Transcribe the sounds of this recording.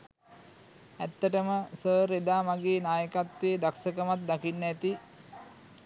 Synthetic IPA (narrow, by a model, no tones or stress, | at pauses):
æt̪ːəʈəməsəːɾed̪aːmaɡeːnaːjəkat̪ʋeːd̪aksəkəmat̪̚d̪akinːæt̪i